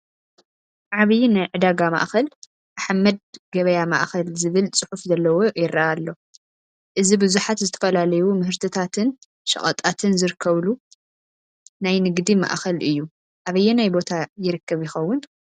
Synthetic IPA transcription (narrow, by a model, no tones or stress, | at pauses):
ʕaβɨjnajʕɨd̪aɡama̰ʔxɐl | ʔaħamːɐd̪̚ɡɐβɐjama̰ʔxɐlzɨβɨlt͡sʼɨħufzɐlːɐwo̞jɪɾaalːo̞ | ʔɨzibɨzuħat̪zɨt̪ʰɐ̥fɐlalɐjumɨhɨɾt̪ʰɨt̪ʰat̪ʰɨn | ʃɐ̰χʼɐ̰t̪ʼat̪ʰɨnzɨɾɨkʰːɐβlu | najnɨɡd̪ima̰ʔxɐlʔɨjːu | ʔaβɐjːɛnajbo̞t̪ʰajɪɾɨkʰːɐβjɪxɐwːʊn